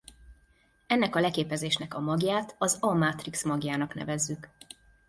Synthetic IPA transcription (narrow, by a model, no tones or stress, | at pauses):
ɛnːɛkɒlɛkeːpɛzeːʃnɛkɒmɒɡjaːt̪ʰɒzɒmat̪riksmɒɡjaːnɒknɛ̰vɛzːyk